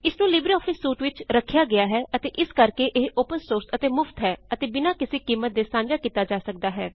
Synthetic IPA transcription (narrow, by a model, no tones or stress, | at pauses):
ɪsnũːlɪbɾiːɔːpʰɪsːuːʈʋɪt͡ʃɾəkʰːjaːɡɪaːɦɛːʔət̪eːʔɪskəɾkeʔeɦoːpənsoːɾsət̪eːmʊft̪ɦɛːət̪eːbɪnaːkɪseːkiːmːət̪̚d̪eːsãːɲd͡ʒaːkiːt̪aːd͡ʒaːsək̚d̪aːɦɛː